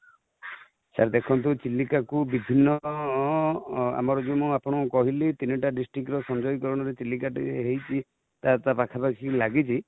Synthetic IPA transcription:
sʰaɾd̪ekʰɔnt̪̬ut͡ʃilːikakubibʱinːɔ | a̰mɔɾɔd͡ʒumũapɔɽ̃ɔkɔɦilit̪iniʈaɖisʈɾikɾɔsɔnd͡ʒɔjikɔɾɔɽ̃ɔɾet͡ʃilːikaʈḭɦejt͡ʃʰi | t̪at̪apakʰapakʰilaɡit͡ʃʰi

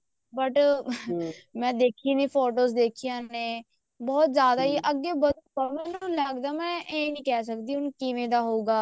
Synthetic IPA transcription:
bəʈ | mɛ̃ːd̪eːkʰiːniːpʰoːʈoːzd̪eːkʰijãːnẽː | bɔːt̪zjaːd̪aːiːʔəɡːeːbəd̪pəmɛːnũləɡd̪aːmɛ̃ːʔẽːnĩːkɛːs̬əkd̪iːʊnkiʋẽːd̪aːɦoːɡaː

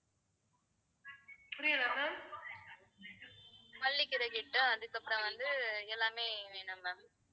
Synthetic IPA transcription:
pʊɾɪɐlɐmɐ | pɐlːɪkːɪɾɐkɪʈːʊ̃ɐðɯkːɐpːɯɾɔ̃ʋɐnd̪ɯɛlːaːmeːʋeːnɐmɐ

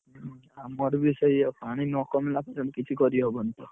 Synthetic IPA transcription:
amɔɾbisɔjepʰaɽ̃inɔkɔmelapaɾamekit͡ʃʰikɔɾiɦɔbɔnt̪ɔ

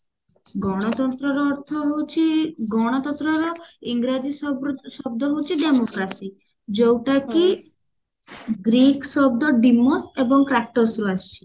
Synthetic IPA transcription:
ɡɔɽ̃ɔt̪ɔnt̪ɾɔɾɔːɾt̪ʰɔɦowt͡ʃʰiɡɔɽ̃ɔt̪ɔnt̪ɾɔɾɔiŋɡɾad͡ʒisɔb̚d̪ɔɦowt͡ʃʰiɖemokɾasi | d͡ʒowʈaki | ɡɾiksɔb̚d̪ɔɖimːɔsebɔŋkɾak̚ʈosɾuast͡ʃʰi̥

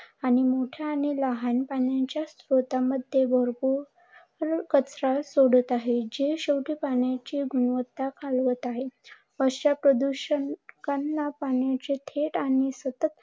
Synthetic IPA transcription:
aɽ̃imoʈʰjaːɽ̃iləɦanpaɳjaɲt͡ɕjasɾot̪aməd̪ʱːjebʱəɾbu | ɾkət͡sɾasoɽət̪aɦed͡ʑeɕəwʈiːpaɳjat͡ɕiɡuɳʋət̪ːakʰalʋət̪aɦe | əst͡ɕapɾəd̪uɕənkanːapaɳjat͡ɕet̪ʰeʈaɽisət̪ət̪̚

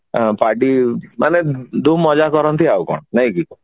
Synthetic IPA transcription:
paʈimaned̪umːɔd͡ʒakɔɾɔnt̪iaukɔ̰ɳ̃naɦĩki

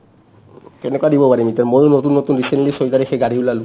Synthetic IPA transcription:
tɛnɛkuadibɔpaɹimitamojonotunːotunɹisentlisoitaɹɛxejɡadʱiulalʊ̃

